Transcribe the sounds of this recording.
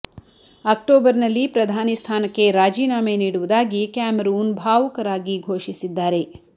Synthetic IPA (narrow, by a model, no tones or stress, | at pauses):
ɐk̚ʈoːbɐɾnɐlːipɾɐd̪ʱaːnist̪ʰaːnɐkːe̞ɾaːd͡ʒiːnaːmeniːɽuʋud̪aːɡikaːmeɾuːnbʱaːʋɐkɐɾaːɡiɡʱoːʃisid̪ːaːɾe